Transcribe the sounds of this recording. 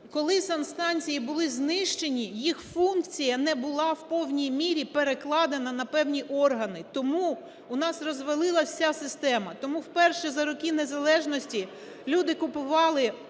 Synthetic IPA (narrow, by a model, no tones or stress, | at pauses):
kɔlˠɪsɐnst̪ɑnʲt͡sʲijibʊlˠɪznɪʃt͡ʃenʲijixfunk̚t͡sʲijɐnɛbʊlˠɑwpɔwnʲijmʲiɾʲipeɾeklˠɑd̪enɐnɐpɛwnʲiʔɔrɦɐnɪt̪ɔmu | ʊnɑsrɔzʋɐlˠɪlˠɐwsʲasɪst̪ɛmɐt̪ɔmuwpɛrʃɛzɐɾɔkʲinezɐlˠɛʒnɔsʲtʲi | lʲud̪ɪkʊpʊʋɑlˠɪ